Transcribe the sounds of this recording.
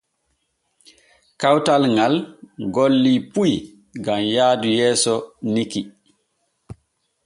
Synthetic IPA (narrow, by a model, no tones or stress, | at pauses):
kawtalŋalɡolːipuj | ɡamjaːdujɛːsɔniki